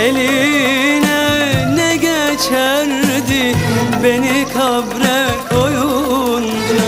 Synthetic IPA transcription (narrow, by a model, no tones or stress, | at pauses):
eli | nɛnɛɡʲɛt͡ʃʰæɾd̪ibenikʰabɾɛkʰojund̪ɯ